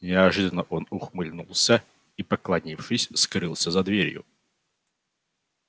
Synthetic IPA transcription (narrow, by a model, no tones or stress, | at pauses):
nʲɪɐʐɨd̪ənəʔo̞nʊxmɨlʲnulˠsʲə | ipəklˠɐnʲifʂɨsʲskɾɨlˠsʲəzɐd̪vʲeɾʲjʊ̰